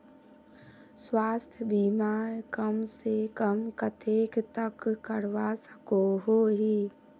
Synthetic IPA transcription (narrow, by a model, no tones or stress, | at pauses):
swaːst̪ʰjəbimaːjkəmsekəmkət̪ʰeːkt̪əkːəɾʋasəkoɦoɦiː